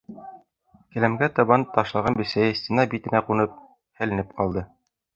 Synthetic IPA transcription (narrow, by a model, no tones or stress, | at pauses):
kɘ̆læmɡæt̪ɤ̆βɑnt̪ɑʃlˠɑʁɑnbɘ̆sæjɘsʲt̪ʲinɑbit̪ɘ̆næqunɤp̚ | hɘ̆lɘ̆nɘp̚qɑlˠd̪ɤ